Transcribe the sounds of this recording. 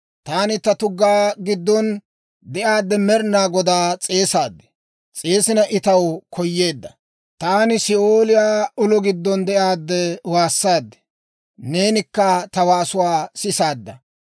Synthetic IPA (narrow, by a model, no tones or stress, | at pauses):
t̪aːnɪt̪ɐt̪ʊɡːaːɡɪd̪ːɔn | d̪ɛʔaːd̪ːɛmɛɾnaːɡɔd̪aːt͡sʼe̞ːsaːd̪ːɛ̥ | t͡sʼe̞ːsɪnɐʔɪt̪ɐwkʰɔjːe̞ːd̪ːɐ | t̪aːnɪsɪoːlɪjaːʊlɔɡɪd̪ːɔnd̪ɛʔaːd̪ːɛwaːsːaːd̪ːɛ̥ | ne̞ːnɪkːɐt̪ɐwaːsʊwaːsɪsaːd̪ːɐ